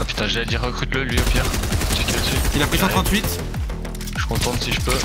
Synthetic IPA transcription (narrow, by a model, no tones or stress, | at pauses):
apy̥t̪ɛ̃ʒad̪iʁːəkχyt̪ləlɥiopjɛʁkɛskʲiasiilapχisɑ̃t̪χɑ̃t̪ɥit̪ | ʒ̥əkɔ̃t̪ɑ̃t̪siʒəpø